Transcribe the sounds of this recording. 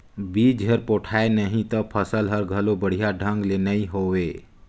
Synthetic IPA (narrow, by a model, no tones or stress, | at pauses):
biːd͡ʒɦəɾpoʈʰaːenəɦĩt̪ɔpʰəsəlɦəɾɡʱəlobəɽ̤ijaɖʱə̃ŋɡlenəĩɦowe